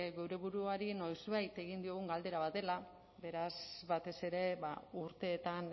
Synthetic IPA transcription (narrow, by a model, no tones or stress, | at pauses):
ɣewɾe̞βuɾuaɾino̞jzβajt̪e̞ɣind̪io̞ɣuŋɡald̪e̞ɾaβat̪e̞la | be̞ɾazβat̪e̞se̞ɾe̞βa̰uɾt̪e̞ːt̪an